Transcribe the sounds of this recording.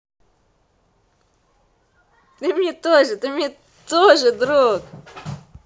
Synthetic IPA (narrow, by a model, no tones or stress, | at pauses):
t̪ɨmnʲet̪oʐɨt̪ɪmnʲe | t̪oʐɨd̪ɾok